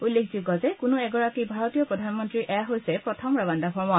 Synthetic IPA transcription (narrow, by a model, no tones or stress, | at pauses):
ulːekʰziɡɔzɛkʊnʊɛɡɔɹakibʱaɹɔtijɔpɹɔdʱanmɔntɹiʔɛaɦojsɛpɹɔtʰɔmɹabandaxɔɹmɔ